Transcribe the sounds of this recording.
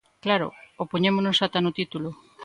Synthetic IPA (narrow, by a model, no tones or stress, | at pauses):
klaɾo̰opoɲemonosat̪anot̪it̪ulo